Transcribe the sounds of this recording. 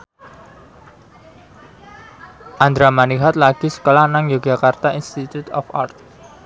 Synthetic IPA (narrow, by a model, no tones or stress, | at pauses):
ʔand̪ɾamaniɦat̪̚laɡ̥isə̥kolahnaŋjuɡakart̪ainst̪it̪ut̪ɔ̰fart̪̚